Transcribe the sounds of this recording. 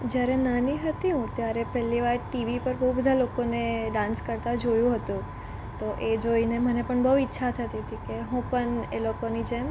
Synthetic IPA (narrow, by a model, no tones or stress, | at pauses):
d͡ʒjaɾenaniɦət̪iɦũt̪jaɾepɛlːiʋaɾʈiʋipəɾbəubəd̪ʱalokoneɖãnskəɾt̪ad͡ʒojũɦət̪ũ | t̪oʔed͡ʒoinemənepəɳbəɦuɪtːʃʰat̪ʰət̪it̪ĩkeɦũpəɳelokonid͡ʒem